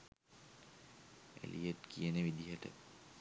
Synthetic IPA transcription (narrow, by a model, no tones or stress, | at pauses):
æ̰lʔijet̪kʰijənəʋid̪iɦəʈə̰